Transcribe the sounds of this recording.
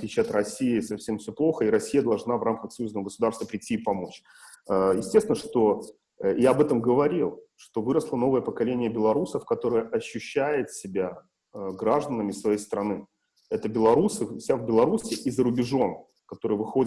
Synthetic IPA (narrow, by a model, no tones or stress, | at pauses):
ɐt̪lʲit͡ɕɐt̪rɐsʲːiɪsɐfsʲemfsʲoplˠo̞xəiɾɐsʲːijəd̪ɐlˠʐnavrʔamkəxsɐjuznəvəɡəsʊd̪arst̪vəpɾʲɪtʲːiɪpɐmo̞t͡ɕ | əjɪsʲtʲesʲɪnəʂt̪o̞ | jaɐbɛt̪əmɡəvɐɾʲilˠʂt̪o̞vɨɾəslˠəno̞vəjəpəkɐlʲenʲɪjəbʲɪlˠɐɾusəfkɐt̪o̞ɾɨjəʔɐɕːʉɕːæjɪt̪sʲɪbʲa | əɡɾaʐd̪ənəmʲɪsvɐjejst̪ɾɐnɨ | ɛt̪əbʲɪlˠɐɾusɨfsʲavbʲɪlˠɐɾusʲɪʔizəɾʊbʲɪʐo̞n | kɐt̪o̞ɾɨjvɨxo̞dʲ